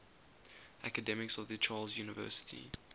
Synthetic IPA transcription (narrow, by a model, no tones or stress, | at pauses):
ʔakədɛmɪksɔvðət͡ʃʰɑːlˠzjuːnɪvɜ̰ːˑsɪ̥tʰḭ